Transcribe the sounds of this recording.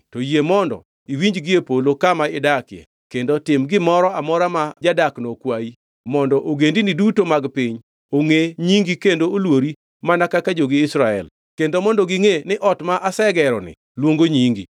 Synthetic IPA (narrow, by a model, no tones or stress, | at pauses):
tojemɔndɔ̰ | iwiɲd͡ʒɡɪepolokamaɪdakjḛ | kendotɪmɡɪmɔɾɔamɔɾamad͡ʒadaknokwai | mɔndɔʔoɡendinidutomaɡpɪɲ | oŋeɲiŋɡikendoolwoɾi | manakakad͡ʒoɡɪːsɾaɛ̰l | kendomɔndɔɡɪŋenɪʔɔtmaʔasɛɡɛɾɔnɪ̰ | lwoŋɡoɲiŋɡḭ